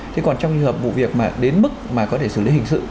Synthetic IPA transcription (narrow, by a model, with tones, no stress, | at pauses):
tt̪ʰe˨˦kɔ˨˩nt͡ɕɔ˧wŋ͡mlɨ̰˧˨həː˨˩p̚vṵ˧˨vi˨˩ək̚maː˨˩ɗe˨˦nmɨ˦˥k̚maː˨˩kɔ˨˦t̪ʰe˧˩sɨ̰˧˩li˨˦hï˨˩ŋ̟sɨ̰˧˨